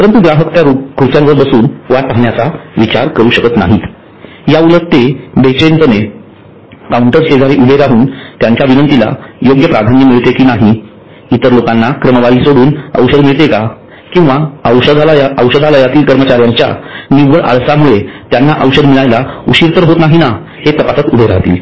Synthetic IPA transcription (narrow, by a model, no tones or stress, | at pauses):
pəɾənt̪uɡɾaɦəkt̪jaɾukɾut͡ɕjãnʋəɾbəsuːnʋat̪aɦɳjat͡saʋit͡ɕa̰ɾkəɾuːɕəkət̪na̰ɦit̪ | jaulət̪ːebet͡ɕent̪əne | kawuɳʈəɾsed͡zʱaɾiːʔubʱeɾaɦuːnt̪jaɲt͡ɕjaʋinənt̪ila̰joɡjəpɾad̪ʱanimiɭt̪ekiːnaɦi | it̪əɾlokanːakɾəməʋaɭiːsoɽuːnə̰wɕəd̪miɭt̪eka | kĩw̃ʋaəwɕəd̪ʱajəwɕəd̪ʱaləjat̪iːlkəɾmət͡ɕaɾjaɲt͡ɕja̰niʋəɭʔa̰ɭsamuɭet̪janːaʔəwɕəd̪miɭajlauɕiɾt̪əɾɦot̪naɦina | het̪əpasat̪ubʱeɾa̰ɦt̪ḭːl